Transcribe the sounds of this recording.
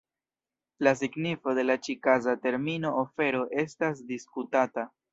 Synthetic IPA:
las̬iɡnifo̞de̞lat͡ʃikazate̞ɾmino̞ʔofe̞ɾo̞ʔe̞stas̬diskutata

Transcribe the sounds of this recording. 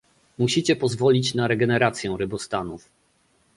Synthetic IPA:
muɕit͡ɕɛpɔzvɔlʲit͡ɕnaɾɛɡɛnɛɾat̪sʲjɛw̃ɾɘbɔst̪anuf

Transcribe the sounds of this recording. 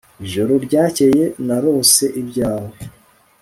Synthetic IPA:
iʒo̞ɾo̞ɾɟaːce̞je̞naɾo̞ːse̞ʔibɟaːwe

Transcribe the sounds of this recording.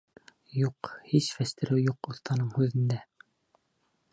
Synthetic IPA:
juqhiʃfæst̪ɘ̆ɾɘwjuqŏθt̪ɑnɤɴhʉðɘ̆nd̪æ

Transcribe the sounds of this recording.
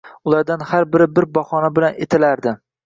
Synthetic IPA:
ʊlˠaɾd̪anhaɾbɪɾɪbɪɾbɒhɒnabɪlanet̪ʰɪlaɾd̪ɪ

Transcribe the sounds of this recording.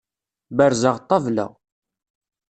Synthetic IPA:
bəɾzəʁt̪ˤːɑvlæ̰

